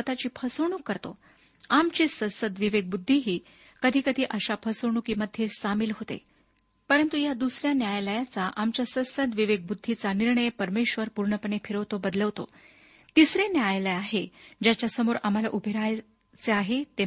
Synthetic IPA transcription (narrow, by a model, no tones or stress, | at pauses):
ət̪at͡ɕiːpʰəsəʋɳ̃uːkːəɾt̪o̰ | amt͡ɕisəsəd̪ʋiʋeɡ̚bud̪ʱːiɦiː | kəd̪ʱiːkəd̪ʱiːʔəɕapʰəsəʋɳuːkiːməd̪ʱjesamilɦot̪ḛ | pəɾənt̪ujad̪usɾjanjajləjat͡saʔamt͡ɕjasəsəd̪ʋiʋeɡ̚bud̪ʱːit͡saniɾɳəjpəɾmeɕʋəɾpuɾɳəpəɳefiɾəʋt̪obəd̪ləʋt̪o̰ | t̪isɾenjajləjaɦed͡ʑjat͡ɕjasəmoɾam̤ala̰ʔubʱeɾaj | t͡seaɦet̪e